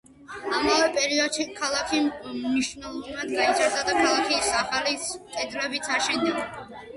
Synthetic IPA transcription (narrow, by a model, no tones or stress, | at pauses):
amavɛpʼɛɾiɔd̪̥ʃikʰalˠakʰimniʃnɛlˠɔnad̪ɡait̪sʰʼɛɾd̪ad̪akʰalˠakʰisaχaliskʼɛd̪lɛbit̪sʰaʃɛnd̪iɡa